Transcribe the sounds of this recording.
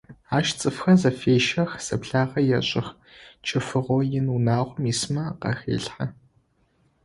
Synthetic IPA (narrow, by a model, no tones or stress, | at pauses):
aːʃt͡sʼɨfxɐzɐfeːʃɐxz̥ɐpɬaːʁɐjɛɕʼɪx | t͡ʃʰʼɪfɨʁʷojɪnunaːʁʷʊmiːsmɐqɐ̰xḛːɬħɐ